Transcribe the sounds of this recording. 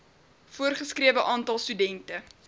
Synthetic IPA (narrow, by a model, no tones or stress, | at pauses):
fuərχəskriəvəʔɑːntɐlˠstydɛntə